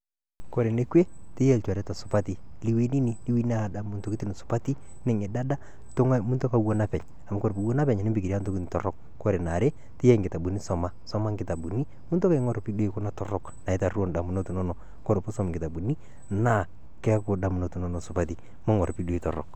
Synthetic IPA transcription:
kɔ˨ɾe˨ne˦kwe˦tɪ˦jɛ˦˨lt͡ʃa˨ɾɛ˦ta˨sʊ˨pa˦ti˨li˦we˦ni˦ni˦li˦wi˦na˦˨da˨mʊ˦nto˦ki˦tu˦no˨sʊ̥˨pa˦ti˦ | nɛ˨ŋɛ˨da˦da˦ | to˦ŋa˦mʊ˦nto˦ka˦wo˦na˦pɛ˨ɲ | a˨ma˦ko˦ɾpu˨wo˦na˦pɛ˨ɲa˨nɪ˦mbɪki˨ɾja˦nto˦ki˦n˨tɔ̰˨ɾɔ˦kːɔ˦ɾe˨na˨ɾe˦ | tɪ˦jɛ˦ŋɡɪ˨ta˨bu˨ni˦sɔ˨ma˨sɔ˦ma˦ŋɡɪ˨ta˨bu˨ni˦ | mʊ˦nto˦ka˦ŋɔ˦˨ɾpi˦do˦i˨ko˦na˦tɔ˨rɔ˦kna˨ɪ˦ta˨ru˦o˦nda˨mu˨no˦tu˨nɔ˦nɔ˨ | ko˦ɾe˨po˦sɔ˦m˨ŋɡɪ˨ta˨bu˨ni˦ | na˦ | kɛ˦kʊ˨da˨mu˨no˨tu˨nɔ˦nɔ˨sʊ˨pati˨ | mo˦ŋɔ˨ɾpi˦do˦i˨tɔ̰˨rɔ̰˨k

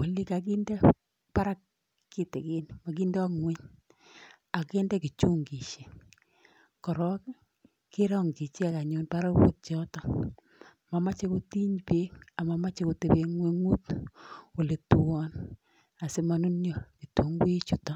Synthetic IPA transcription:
wo˨li˦ka˨k̬i˦ndɛ˦ | pa˦ɾa˦kː | i˦te˨kɪ˦nma˨k̬i˦ndɔ˦ŋwe˦ɲ | a˨ke˦ndɛ˦ki˨t͡ʃu˦ŋɡi˨ʃe˨ | kɔ˨ɾɔ˦k | ki˦ɾɔ˦ŋɡi˨t͡ʃe˦a˨ka˨ɲo˨npa˦ɾa˦kbo̰˨t̚t͡ʃɔ˦tɔ˦ | ma˨ma˦t͡ʃe˦ko˦ti˦ɲpe˦ka˨ma˨ma˦t͡ʃe˦ko˨te˨be˨ŋwe˦ŋu˦two˨le˨tu˨wɔ˦n | a˨se˦ma˨nu˦njo˨ki˨tu˨˦ŋɡt͡ʃu˨tɔ˦

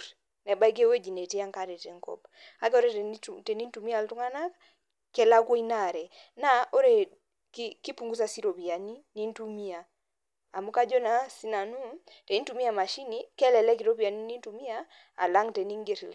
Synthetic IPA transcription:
nɛ˨ba˦jɡe˦we˦d͡ʒi˨ne˨ti˦a˦ŋka˦ɾe˨te˨˦ŋkɔ̰˨p | a˦ke˦o˦ɾe˦te˨ni˦n˦tu˨mi˦a˦˨ltu˦ŋa˦na˦k | kɛ˨la˦kwo˦i˦na˦˨ɾɛ˨ | na˦o˦ɾe˨ | kki˦pu˨ŋɡu˦sa˦si˦ɾo˨pi˨a˨ni˦ni˦n˦tu˦mi˦aː˨ | mu˦ka˦d͡ʒo˦na˨˦si˦na˨nu˦ | te˨i˦n˦tu˨˦mi˦a˨ma˨ʃi˦ni˨kɛ˦lɛ˨lɛ˦ki˨ɾo˦pi˨a˨ni˦ni˦n˦tu˨mi˦a˦ | a̰˨la˦ŋte˨ni˦ŋɡe˨ɾḭ˨l

